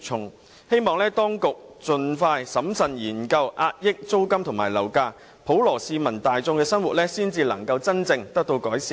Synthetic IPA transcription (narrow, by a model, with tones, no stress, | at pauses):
t͡ʃʰʊ˨ŋ | he˥jmɔː˨˩ŋlɛː˥t̪ɔː˥ŋkʊ˨k̚t͡sɵ˨nfaː˧jsɐ˨˥msɐ˨njiː˨˩nkɐ˧wʔaː˧t̚jɪ˥k̚t͡so˥wkɐ˥mt̪ʰʊ˨˩ŋmaː˨˩jlɐ˨˩wkaː˧ | pʰo˨˥wlɔː˨˩siː˧mɐ˨˩nt̪aː˨jt͡sʊ˧ŋkɛː˧sɐ˥nwuː˨t̚lɛː˥siː˥nt͡siː˧lɐ˨˩ŋkɐ˧wt͡sɐ˥nt͡sɪ˧ŋt̪ɐ˥k̚t̪o˧wkɔː˨˥jsiː˨